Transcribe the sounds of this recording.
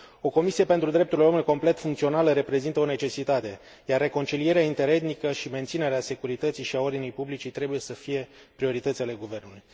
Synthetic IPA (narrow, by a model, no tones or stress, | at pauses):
o̞ko̞misie̞pent̪ɾud̪ɾe̞p̚t̪uɾileomuniko̞mple̞t̪fuŋkt̪sio̞naləɾe̞pɾe̞zint̪əo̞ne̞t͡ʃe̞sit̪at̪e̞ | jarːe̞ko̞nt͡ʃilije̞ɾeaint̪e̞ɾe̞d̪nikəʃime̞nt̪sine̞ɾease̞kuɾit̪ət̪siʃiao̞rd̪inijpublit͡ʃit̪ɾe̞buje̞səfije̞ | pɾio̞ɾit̪ət̪sʲale̞ɡuve̞rnuluj